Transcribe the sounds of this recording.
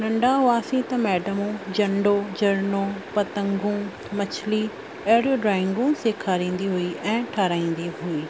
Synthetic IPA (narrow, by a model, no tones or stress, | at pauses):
nɐ̃ɳɖaɦʊaːsĩt̪ɐmɛːɖəmũd͡ʑɐ̃ɳɖod͡ʑɐɾnopɐt̪ə̃ŋɡũ | mɐt͡ɕʰli | ɐɦɪɽijoɖɾaːɪ̃ŋɡũseːkʰaːɾĩːn̆d̪iɦuiʔɛ̃ːʈʰaːɾaːĩːn̆d̪iɦuiː